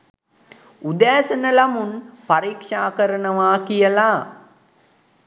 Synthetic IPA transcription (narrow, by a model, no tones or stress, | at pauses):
ud̪æːsɐnəlamunpɐɾiːkʂaːkəɾəɳəʋaːkijəla